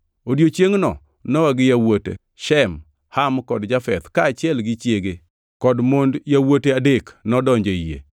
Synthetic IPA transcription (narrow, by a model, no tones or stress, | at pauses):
odjot͡ʃjeŋnɔ | nɔwaɡɪjawotḛ | ʃɛm | hamkɔdd͡ʒafɛ̰t̪kaːt͡ʃjɛlɡɪt͡ʃjeɡe | kɔdmondjawoteadeknɔdɔɲd͡ʒejḛ